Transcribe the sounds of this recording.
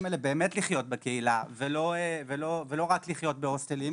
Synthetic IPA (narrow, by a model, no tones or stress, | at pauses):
melebe̞ːmetliχjo̞t̚bekeilavelo̞evelo̞velo̞ʁakliχjo̞t̚beostelim